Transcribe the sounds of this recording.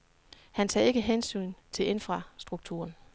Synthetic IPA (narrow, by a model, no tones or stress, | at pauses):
hænt͡sʰɛ̰ːe̝ɡ̥əɦensy̰ːnt͡sʰe̝lʔe̝nfʁɑ̈sd̥ʁuɡ̥̚t͡sʰṵːɐn